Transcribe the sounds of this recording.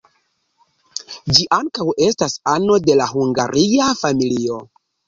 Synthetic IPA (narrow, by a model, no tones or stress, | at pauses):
d͡ʒiʔaŋkawe̞stasano̞de̞lahuŋɡa̰ɾʔiafamilio̞